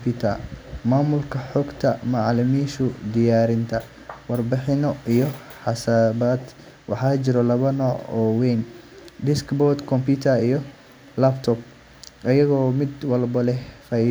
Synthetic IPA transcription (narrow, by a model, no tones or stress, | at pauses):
pit̪ʰɐmaːmʊlkʰɐħɔːɡt̪ʰɐmɑʕlɪmiːʃʊd̪ɪjaːɾɪnt̪ʰɐ | wɑrbɪħɪnɔʔijɔ | ħɑsaβaːd̪ | wɑħɑːt͡ʃɪɾɔlɐβɐnɔːʕɔwɛjn | ɖɪskbɔd̪kʰɔmpʰit̪ʰɐijɔ | lɐbt̪ʰɔb̚ | ʔɐjɐɣɔːmɪd̪wɐlbɐlɛfɐ